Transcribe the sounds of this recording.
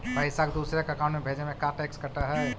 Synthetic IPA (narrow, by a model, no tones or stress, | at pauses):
pɐɪsakd̪uːsɾekɐkaːmẽbʱeːd͡ʒemẽkaʈɛːkskɐʈaɦɛː